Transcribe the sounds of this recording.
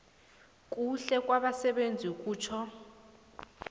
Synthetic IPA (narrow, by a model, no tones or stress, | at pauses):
kʼuɬɛk̬ʼwaɓasɛɓend͡zʱiukʼuːt͡ʃʰɔ